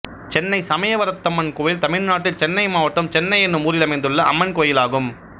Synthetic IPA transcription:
t͡ʃɛnːɐɪsɐmɐjɐʋɐɾɐt̪ːɐmːɐnkoːjɪlt̪ɐmɪɻnaːʈːɪlt͡ʃɛnːɐɪmaːʋɐʈːɐmt͡ʃɛnːɐɪɛnːɯmuːɾɪlɐmɐɪnd̪ɯɭːɐʔɐ̰mːɐnkoːjɪlaːɣɯm

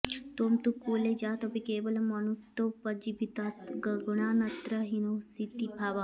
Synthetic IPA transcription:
t̪oːmt̪ukuːled͡ʒaːt̪opikeːbɐlɐmɐnut̪ːopɐd͡ʒibʱit̪aɡɐɡuɳaːnɐt̪ɾɐɦinosit̪ibʱaːʋa

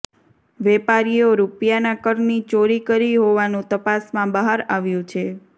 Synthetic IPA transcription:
ʋɛpaɾioɾupjanakəɾnit͡ʃoɾikəɾiɦoʋanũt̪əpasmãbəɦaɾaʋjũt͡ʃʰe

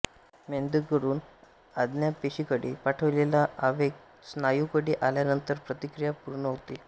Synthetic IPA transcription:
mend̪ukəɾuːn | ad̪njapeɕikəɽiːpaʈʰəʋlelaʔːʋek | snajukəɽiːʔaljanənt̪əɾpɾət̪ikɾijapuɾɳəɦot̪i

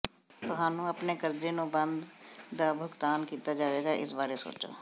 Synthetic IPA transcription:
t̪ʊɦãːnũːəpneːkəɾd͡ʒeːnũːbənd̪d̪aːbʱʊɡt̪aːnkiːt̪aːd͡ʒaːʋeːɡaːʔɪ̰sbaːɾeːso̰ːt͡ʃo̰ː

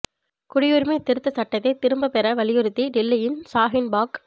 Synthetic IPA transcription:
kʊɽɪjʊɾmit̪ːɪɾɯt̪ːɐsɐʈːɐt̪ːɐɪt̪ːɪɾɯmbɐpɛɾɐʋɐɭɪjɯɾɯt̪ːiɖɪlːɐjɪmsaːɦɪnbaːk

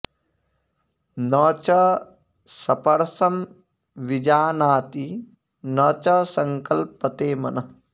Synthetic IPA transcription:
nɐt͡ʃɐ | sɐpɐɾɐsɐm | ʋid͡ʒaːnaːt̪i | nɐt͡ʃɐsɐŋkɐlpɐt̪eːmɐnɐ

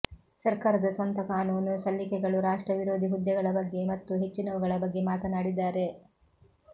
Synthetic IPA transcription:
sɐɾkaːɾɐd̪ɐsʋɐnt̪ɐkaːnuːnusɐlːikɛɡɐɭuɾaːʂʈɾɐʋiɾo̞ːd̪ʱiɦud̪jɐɡɐɭɐbɐɡːe̞mɐt̪ːuɦe̞t͡ʃːinɐʋuɡɐɭɐbɐɡːe̞maːt̪ɐnaːɽid̪ːaːɾe̞

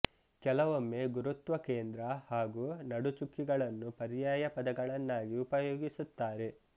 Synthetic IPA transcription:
kɛlɐʋomːe̞ɡuɾut̪ʋɐkeːnd̪ɾɐhaːɡuːnɐɽut͡ʃukːiɡɐɭɐnːupɐɾijaːjɐpɐd̪ɐɡɐɭɐnːaːɡiupɐjoːɡisut̪ːaːɾe̞

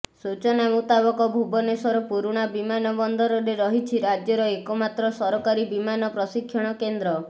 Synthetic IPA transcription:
sut͡ʃɔnamut̪abɔkɔbʱubɔnesɔɾɔpuɾuɽ̃abimanɔbɔnd̪ɔɾɔɾeɾɔɦit͡ʃʰiɾad͡ʒjɔɾɔekɔmat̪ɾɔsɔɾɔkaɾibimanɔpɾɔsikʰːjɔɽ̃ɔkend̪ɾɔ

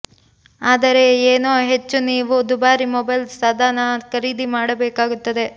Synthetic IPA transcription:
aːd̪ɐɾe̞eːnoːɦe̞t͡ʃːuniːʋud̪ubaːɾimɔbɐjlsaːd̪ʱaːnɐkɐɾiːd̪imaːɽɐbeːkaːɡut̪ːɐd̪e̞

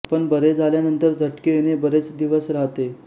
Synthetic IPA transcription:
pəɳbəɾed͡zaljanənt̪əɾd͡zʱəʈkeenebəɾet͡sd̪iʋəsɾaɦt̪e

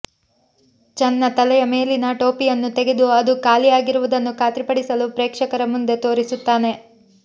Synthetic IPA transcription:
t͡ʃɛnːɐt̪ɐlɛjɐme̞ːlinɐʈoːpijɐnːut̪eɡe̞d̪uɐd̪ukaːlijaːɡiɾuʋud̪ɐnːukaːt̪ɾipɐɽisɐlupɾeːkʂɐkɐɾɐmund̪e̞t̪o̞ːɾisut̪ːaːne̞

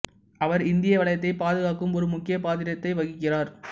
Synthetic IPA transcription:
ʔɐʋɐɾɪnd̪ɪjɐʋɐɭɐjɐt̪ːɐɪpaːðɯɣaːkːɯmɔɾɯmʊkːɪjɐpaːt̪ɪɾɐt̪ːɐɪʋɐɣɪkːɪraːɾ

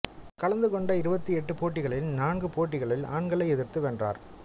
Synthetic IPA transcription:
kɐɭɐnd̪ɯkɔɳɖɐɪɾɯbɐt̪ːiɛʈːɯpoːʈ̬ːɪɣɐɭɪlnaːnɡɯpoːʈːɪɣɐɭɪla̰ːɳɡɐɭɐɪɛðɪɾt̪ɯʋɛndra̰ːɾ

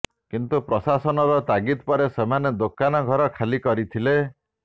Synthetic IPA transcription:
kint̪upɾɔsasɔnɔɾɔt̪aɡit̪pɔɾesemaned̪okanɔɡʱɔɾɔkʰalikɔɾit̪ʰile

